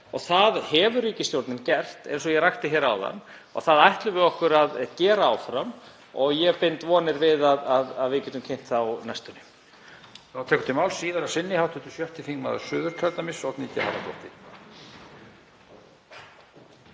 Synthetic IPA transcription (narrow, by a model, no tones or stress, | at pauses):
ɔɣθaðhɛvʏɾiːcɪst̪jowɾt̪nɪncɛr̥t̪ḛjnsɔjɛɣɾajht̪ɪçɛːɾaa̰wða̰n | ɔ̰ɣθaðajht̪lʏvɪɔhkʏɾaðcɛːɾaawfɾam | ɔɣjɛpejnt̪vɔːnɪɾvɪðaðaðaðvɪcɛt̪ʏmcʰejn̥t̪θawnajst̪ʏnʏ | θawt̪ʰɛːkʏ̥nt̪ɪmawlsiːðaɾasɪnːɪhawt̪ʰʏ̥t̪ʏ̥sjœht̪ɪθiŋmaða̰sʏːðʏɾ̥t̪ʰœɾt̪namɪsɔt̪niːc̪aha̰ɾat̪ɔ̰ht̪ɪ